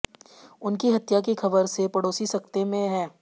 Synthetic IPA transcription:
ʊnkiɦɐt̪jak̬ixɐbəɾsepɐɽoːsisɐkt̪emẽɦɛ̃ː

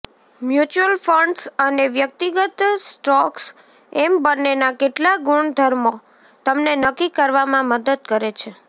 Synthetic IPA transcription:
mjut͡ʃuəlfəɳɖsəneʋjək̚t̪iɡət̪sʈɔks | ɛmbənːenakeʈlaɡuɳd̪ʱəɾmo | t̪əmnenəkːikəɾʋamãməd̪əd̪̚kəɾet͡ʃʰe

